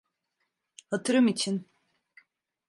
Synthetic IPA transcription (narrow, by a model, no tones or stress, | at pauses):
hat̪ʰɯɾɯmit͡ʃʰin